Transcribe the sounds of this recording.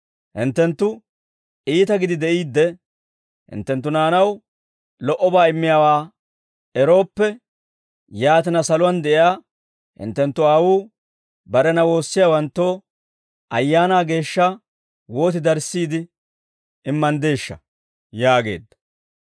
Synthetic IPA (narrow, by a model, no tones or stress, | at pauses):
hɪnt̪ːɛnt̪ːʊ | ʔiːt̪ɐɡɪd̪ɪd̪ɛʔiːd̪ːɛ | hɪ̰nt̪ːɛnt̪ːʊnaːnɐw | lɔʔɔbaːɪmːɪjaːwaː | ɛɾo̞ːpːɛ | jaːt̪ɪnɐsɐlʊwɐnd̪ɛʔɪjaː | hɪ̰nt̪ːɛnt̪ːʊaːwuː | bɐɾɛnɐwo̞ːsːɪjaːwɐnt̪ːo̞ː | ʔɐjːaːnaːɡe̞ːʃːɐ | wo̞ːt̪ɪd̪ɐɾsːiːd̪ɪ | ɪmːɐnd̪e̞ːʃːɐ̰ | jaːɡe̞̰ːd̪ːɐ̥